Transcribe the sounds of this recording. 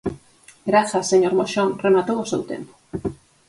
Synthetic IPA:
ɡɾaθasːeɲoɾmoʃoŋremat̪owosewt̪ḛmpo̥

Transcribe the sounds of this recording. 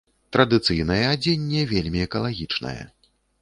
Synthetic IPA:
t̪ɾɐd̪ɨt̪sɨjnɐjɛad͡zʲenʲːɛvʲelʲmʲiɛkɐlˠaɣʲit͡ʂnɐ̰jɛ̰

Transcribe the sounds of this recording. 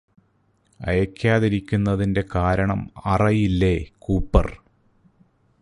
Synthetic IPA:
ɐ̰jɐkʰʲːaːðiɾikʲːunːɐðinde̞kaːɾɐɳɐ̰mɐrɐjilːe̞kuːpːɐ̰r

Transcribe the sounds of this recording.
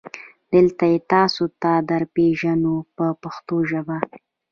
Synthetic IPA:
d̪̥əlt̪ajet̪ɑsot̪ad̪aɾpeʒanopəpaxt̪oʒaba

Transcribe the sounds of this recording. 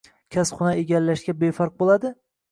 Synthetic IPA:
kʲʰasχʊnaeɡʲalːaʃɡʲabefɑɾq̚bolˠad̪ɪ

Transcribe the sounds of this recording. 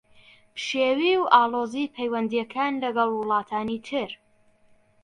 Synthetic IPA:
bʃeːwiːwʔaːlˠoːzipʰɛjwɐnd̪ijɛkʰaːnlɐɡɐlˠwʊlˠɑːt̪ʰaːnit̪ʰɨɾ

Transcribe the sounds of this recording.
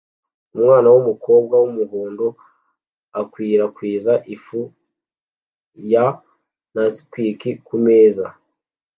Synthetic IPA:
umŋaːnawumuko̞ːb̚ɡawumuɦuːndo | akwiːɾakwiːzaʔifu | ja | nasi̥kwiːkikumeːza

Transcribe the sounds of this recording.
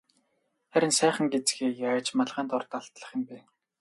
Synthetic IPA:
χæɾʲɪ̆nsæːχə̆ŋɡet͡sɡeːjaːt͡ɕmaɮʁaːnt̪ɔrt̪aɮt̪ɮə̆χɪ̆mpæː

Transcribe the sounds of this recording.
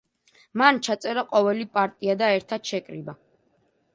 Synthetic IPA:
mant͡ʃʰat̪sʼɛɾaqʼɔvɛlipʼaɾt̪ʼiad̪aɛɾt̪ʰad̪̥ʃɛkʼɾḭba

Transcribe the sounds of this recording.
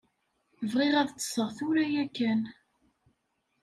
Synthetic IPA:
əvʁiʁæðt͡sːə̥sˤəʁθuɾæjækːæn

